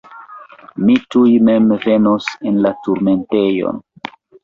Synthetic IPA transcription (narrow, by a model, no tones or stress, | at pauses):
mitujme̞mve̞nosenlatuɾme̞nte̞jo̰n